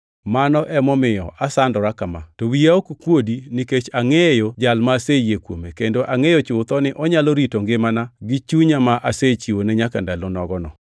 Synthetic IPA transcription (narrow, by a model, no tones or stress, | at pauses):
manɔʔɛmɔmɪjɔ̰ʔasandɔɾakamatowiaokkwodiniket͡ʃaŋejod͡ʒalmasejekwomekendoʔaŋejot͡ʃʊt̪ɔnɪʔɔɲaloɾitoŋɡɪmanaɡɪt͡ʃuɲamaʔaset͡ʃiwonɛɲakandalonɔɡɔnɔ